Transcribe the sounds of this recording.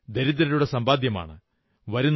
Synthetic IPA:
d̪eɾid̪ɾɐɾuɽe̞sɐmbaːd̪jɐma̰ːɳɨ̰ | ʋɐɾunː

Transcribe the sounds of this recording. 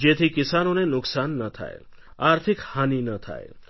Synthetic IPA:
d͡ʒet̪ʰikɪsanonenʊksanːət̪ʰa̰jḛ | aɾt̪ʰikhaninət̪ʰa̰ḛ

